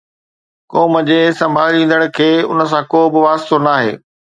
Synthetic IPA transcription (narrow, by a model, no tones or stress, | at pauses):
koːməd͡ʑeːsɐ̃mbʱaːɾĩːn̆d̪əɽ̃ʊ̆kʰeːʊ̰nə̆s̬ãkoːbɪʋaːst̪onaːɦeː